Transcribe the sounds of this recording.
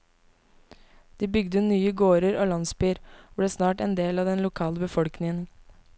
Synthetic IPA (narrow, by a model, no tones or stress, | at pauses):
d̪̥iːbʏɡd̪ənyːəɡoːɾəɾoːlɑnsbyːɾoːbleːsnɑːʈɛːnd̪eːlɑːd̪ɛnlʊkʰɑːləbəfɔlknɪŋən